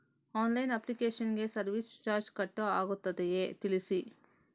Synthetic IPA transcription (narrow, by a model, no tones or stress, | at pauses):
aːnlɐjnɐplikeːʃɐnɡesɐɾʋist͡ʃaːɾd͡ʒkɐʈːɐaːɡut̪ːɐd̪ejeːt̪ilisi